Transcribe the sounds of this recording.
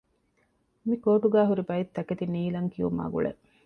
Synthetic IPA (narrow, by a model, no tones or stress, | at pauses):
mikoːʈ̪uɡæːɦuɾibɐit̪ːɐket̪iniːlɐŋkiʋṵma̰ːɡṵɭḛ